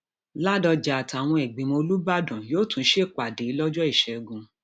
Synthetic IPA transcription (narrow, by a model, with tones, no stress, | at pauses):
la˦dɔ˧d͡ʒa˨a˨ta˨w̃ɔ̃˧ɛ˨ɡ͡bĩ˨mo˧lu˦ba˦dɔ̃˨joː˦tũ˨˦ʃe˦˨k͡pa˨de˨˦lɔ˦d͡ʒɔ˦i˦˨ʃɛ˨ɡũ˧